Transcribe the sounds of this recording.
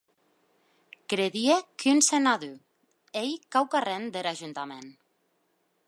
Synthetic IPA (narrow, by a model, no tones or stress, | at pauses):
kɾeðiekʰynsenaðy | ejkawkarend̪eɾaʒunt̪amen